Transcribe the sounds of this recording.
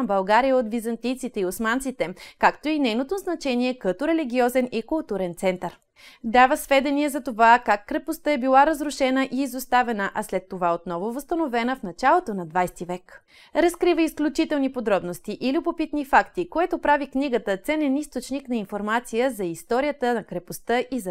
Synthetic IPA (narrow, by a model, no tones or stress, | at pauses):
mbɐlˠɡaɾijəot̪bizɐnt̪ijt̪sit̪ɛiosmant̪sit̪ɛkakt̪oinɛjnot̪oznɐt͡ʃɛniɛkət̪oɾɛliɡʲiɔzɛnikʊlˠt̪uɾɛnt̪sɛnt̪əɾ | d̪avəsvɛd̪ɛniɛzɐt̪ovakakːɾɛpost̪əɛbilˠaɾɐzɾʊʃɛnəʔiːzost̪avɛnəʔɐslɛt̪ːovaot̪nɔvovəst̪ɐnovɛnəfnɐt͡ʃalˠot̪onɐd̪vajst̪ivɛk | ɾɐskɾivəisklʲut͡ʃit̪ɛlˠnipod̪ɾɔbnost̪iʔilʲubopit̪nifakt̪ikoɛt̪opɾavikniɡət̪ət̪sɛnɛnist̪ot͡ʃniknɐinfoɾmat̪sijəzɐist̪ɔɾijət̪ənɐkɾɛpost̪əʔizɐ